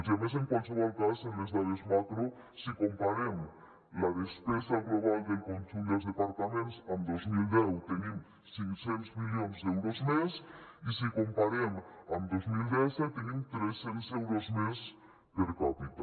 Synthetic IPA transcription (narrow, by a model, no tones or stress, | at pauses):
zemes̬eŋkwansoβalkasenlesd̪aðesmakɾu | sikompaɾem | laðespesaɣloβald̪elkonsuld̪ozðepaɾt̪amẽnsand̪ozmild̪ewt̪enim | siŋsenosmiʎonzd̪ewɾozmesisikompaɾemand̪ozmild̪eset̪enimt̪ɾesensewɾozmes | peɾkapit̪a